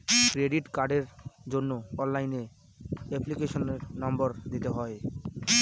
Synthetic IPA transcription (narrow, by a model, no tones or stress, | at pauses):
kɾeɖiʈkaɾɖeɾd͡ʑonːoɔnlajne | eplikeʃoneɾnɔmboɾd̪it̪eɦɔe